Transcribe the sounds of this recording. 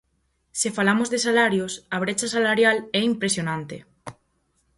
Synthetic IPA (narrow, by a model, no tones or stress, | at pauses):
sefalamozðesalaɾjosaβ̞ɾet͡ʃasalaɾjalɛimpɾesjonãnt̪ḛ